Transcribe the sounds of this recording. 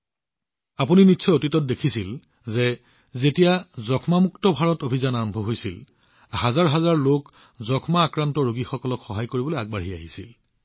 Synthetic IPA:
apuninitːsʰɔotitɔt̚dekʰisil | zɛ | zetijazɔkʰmamuktɔbʱaɹɔtobʱizanaɹɔmbʱɔɦojsil | ɦazaɹɦazaɹlok | zɔkʰmaːkɹantɔɹoɡixɔkɔlɔkxɔɦajkoɹibɔloaɡ̚baɹɦia̰ɦisil

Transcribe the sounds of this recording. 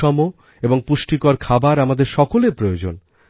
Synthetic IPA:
ɔmo | eboŋpuʃʈikoaɾkʰabaɾamad̪eɾʃɔkolepɾojod͡ʑon

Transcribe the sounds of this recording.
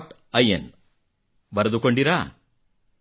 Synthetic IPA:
ʈ | ɐjḛn | bɐɾɐd̪ukoɳɖiɾa

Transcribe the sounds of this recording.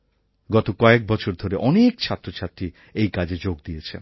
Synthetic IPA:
ɡɔt̪okɔek̚bɔt͡ɕʰoɾd̪ʱoɾeʔɔnekt͡ɕʰat̪ːɾot͡ɕʰat̪ːɾi | ejkad͡ʑed͡ʑoɡ̚d̪iet͡ɕʰḛn

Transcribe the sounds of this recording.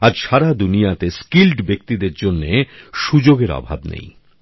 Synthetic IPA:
aɾʃaɾad̪unijat̪eskilɖbek̚t̪id̪eɾd͡ʑonːeʃud͡ʑoɡeɾɔ̰bʱa̰bnḛj

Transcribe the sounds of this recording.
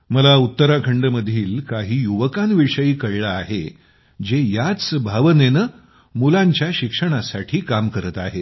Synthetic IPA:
məlaut̪ːəɾakʰəɳɖəməd̪ʱiːlkaɦiːjuʋəkanʋiʂəiːkəɽɭaːɦe | d͡ʑejat͡sbʱaʋənenə | mulaɲt͡ɕjaɕikʂəɽ̃asaʈʰiːkamkəɾət̪aɦe

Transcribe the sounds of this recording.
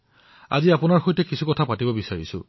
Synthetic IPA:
a̰ziapʊnaɹxojtɛkisʰukɔtʰapatibɔbisaɹisʊ̰̃

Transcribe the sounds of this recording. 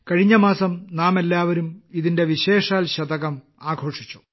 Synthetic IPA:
kɐɻiɲːɐmaːsɐmnaːmelːaːʋɐɾumiðinde̞ʋiɕe̞ːʂaːlɕɐd̪ɐɣɐm | aːɡʱo̞ːʂi̥t͡ɕːu̥

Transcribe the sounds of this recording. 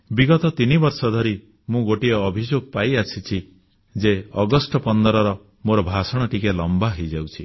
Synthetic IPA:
biɡɔt̪ɔt̪inibɔɾsɔd̪ʱɔɾi | mũɡoʈiɔːbʱid͡ʒoɡ̚pajasʰit͡ʃʰi | d͡ʒeɔɡɔsʈɔpɔnd̪ɔɾɔɾɔ | moɾɔbʱasɔɽ̃ɔʈikelɔmbaɦejd͡ʒawt͡ʃʰi

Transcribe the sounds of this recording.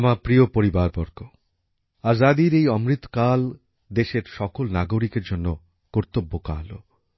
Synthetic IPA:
amapɾiopoɾibaɾbɔɾko | azad̪iɾejɔmɾit̪o̥kal | d̪eʃeɾʃɔkolnaɡoɾikeɾd͡ʑonːo | koɾt̪obːoka̰lo̰

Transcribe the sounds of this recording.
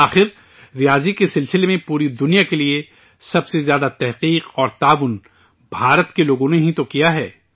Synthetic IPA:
aːxɪɾ | ɾɪjaːzikesɪlsɪlemẽpuːɾid̪ʊnijakelie | sɐbsezjaːd̪at̪ɛɦqiːqɔːɾt̪aːʋʊn | bʱaːɾət̪keloːɡõneɦĩt̪okijaɦɛː

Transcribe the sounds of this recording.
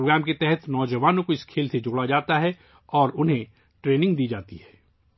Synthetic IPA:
oɡɾɛːmket̪ɛɦɛt̪nɔːd͡ʒəʋaːnõkoɪskʰeːlsed͡ʒoːɽad͡ʒaːt̪aɦɛ | ɔːɾʊnɦẽ | ʈɾeːnɪ̃ŋɡd̪iːd͡ʒaːt̪iɦɛː

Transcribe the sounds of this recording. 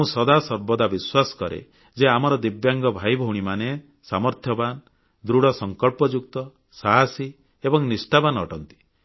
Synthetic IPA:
mũsɔd̪asɔɾbɔd̪abiswasɔ̥kɔɾḛ | d͡ʒeamɔɾɔd̪ibjaŋɡɔbʱajbʱɔwɽ̃imane | samɔɾt̪ʰjɔban | d̪ɾuɽɔsɔŋkɔɭpɔd͡ʒukt̪ɔ | saɦasi | ebɔŋnisʈabanɔʈɔnt̪i̥

